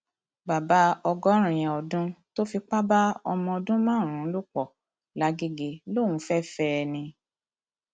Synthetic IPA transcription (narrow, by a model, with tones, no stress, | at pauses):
ba˨ba˨˦ɔ˧ɡɔ˦ɾ̃ũ˨j̃ɛ̃˨ɔ˨dũ˦to˦fi˧k͡pa˦ba˦ɔ˧mɔ̃˧ɔ˧dũ˦mãː˦˨ɾ̃ũ˨˦lu˦k͡pɔ˨ | la˨˦ɡe˦ɡe˧lo˦˨wũ˨˦fɛ˦fɛ˦˧nĩ˧